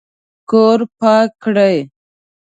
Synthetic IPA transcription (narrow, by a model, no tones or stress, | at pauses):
koːɾpaːkːɽaj